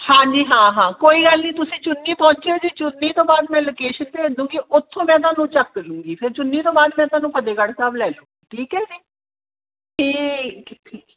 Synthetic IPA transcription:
hãːd͡ʒiːɦãːɦãːkoːiːɡəlniːt̪ʊsĩːt͡ʃʊnːiːpɔ̃ːnt͡ʃeod͡ʒiːt͡ʃʊnːiːt̪õːbaːd̪mɛ̃ːloːkeːʃənt̪eːɪ̃nd̪ũːŋɡiːʔʊt̪ʰːõːmɛ̃ːt̪̬ãːnũːt͡ʃəkːəlũːɡiːpʰɪɾt͡ʃʊnːiːt̪õːbaːd̪mɛ̃ːt̪waːnũːpʰəd̪eːɡəɽsaːblɛːlũːɡiːʈʰiːkɦɛːsiː | ʈʰiːʈʰiːk

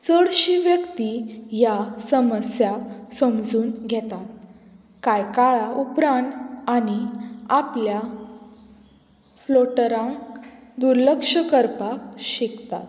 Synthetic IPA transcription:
t͡səɽɕiʋjəkt̪ijasəməsjasəmd͡zuːnɡʱɛt̪at̪̚ | kajkaɭaupɾãɳañiaplja | floʈəɾãŋkd̪uɾləkʂəkəɾpakɕikt̪a̰t̪

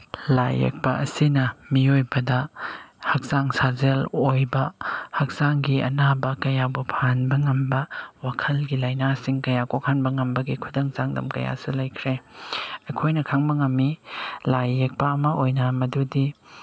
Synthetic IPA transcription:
la̰jḛk̚pɐʔɐsinɐmiojbɐdɐhɐk̚zaŋsazelojbɐhɐk̚zaŋɡiɐ̰nabɐkɐjabupʰanbɐŋɐmbɐwakʰɐlɡilɐjnasiŋkɐjakokʰanbɐŋɐmbɐɡikʰudɐŋt͡ʃaŋdɐ̰mkɐja̰sulɐjkʰɾeɐkʰojnɐkʰaŋbɐŋɐmːilajːek̚pɐːmɐojnɐmɐdudi

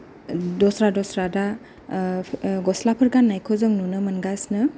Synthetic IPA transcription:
dɔsɾadɔsɾada | ɡɔslapʰɐɾɡanːajkʰɔzɯŋnunɯmɐnɡasnɯ

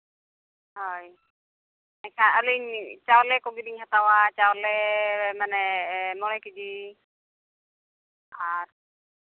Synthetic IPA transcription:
ɦɔj | ɛkʰanəliɲt͡ʃawlɛkɔbidiɲhat̪awat͡ʃawlɛmanɛmɔɭɔjkid͡ʒi | aɾ

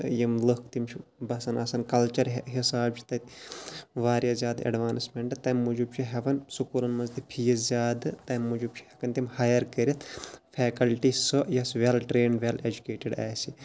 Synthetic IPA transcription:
jimlɨkt̪imt͡ʃʰibɐsɐnɐsɐnkɐlt͡ʃɐɾɦisaːb̚t͡ʃʰi̥t̪ɐt̪ʲ | ʋaːɾʲjazʲjaːd̪ɐ̰ɖʋaːnsmeɳʈt̪ɐmmud͡ʒub̚t͡ʃʰiɦɐʋɐnsukuɾɐnmɐnzt̪ipʰijɐzʲaːd̪ɨt̪ɐmːud͡ʒub̚t͡ʃʰi̥hɐkɐnt̪imhaːjɐɾkɐɾʲit̪ʰfʰɛːkɐlʈisɐjɐsʋelʈɾeːɳɖʋʲeled͡ʒukeːʈiɖa̰ːsi

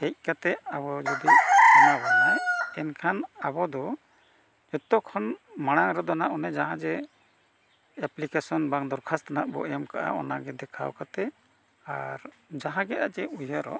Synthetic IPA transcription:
hɛc̚ˀkat̪ɛʔaβɔd͡ʒɔd̪iɔnabaʔaɛnkʰanabɔd̪ɔ | d͡ʒɔt̪ɔkʰɔnmaɽ̃aŋɾɛd̪ɔnaʔɔnɛd͡ʒaɦãd͡ʒɛ | ɛplikesɔnbaŋd̪ɔɾkʰast̪anaʔbɔ̰ɛmka̰ʔa̰ɔ̰naɡɛd̪ɛkʰa̰wkat̪ɛ | aɾ | d͡ʒaɦãɡɛʔaʔd͡ʒɛujaɾɔ̰ʔ

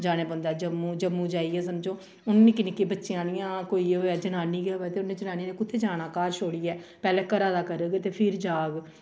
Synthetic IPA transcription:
d͡ʒaːɽ̃ẽːpə̃nd̪aːd͡ʒəmːũːd͡ʒəmːũːd͡ʒaːiːɛːs̬əmd͡ʒõː | ʊnːĩːkɪnɪkːeːbətːʃijãːnɪjãːkoːiːɦoːɛːd͡ʒənaːniːɡɛːɦoːɛːt̪eːʊnːẽːd͡ʒənaːniːnẽːkʊt̪ʰːeːd͡ʒaːñãːkaːɾʃʰoːɽiːɛːpɛːlɛ̃ːkəɾaːd̪aːkəɾəːɡet̪eːpʰɪɾd͡ʒaːɡ

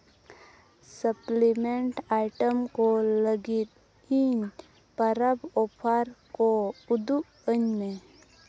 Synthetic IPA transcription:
səplimeɳʈajʈəmkoləɡit̪̚ | iɲ | pəɾabɔpʰaɾkoud̪u | əɲmẽ

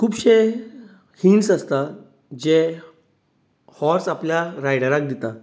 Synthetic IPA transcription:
kʰuːbɕe | hinsast̪a | d͡ʑe | hɔɾsapljaɾajɽəɾak̚d̪it̪a

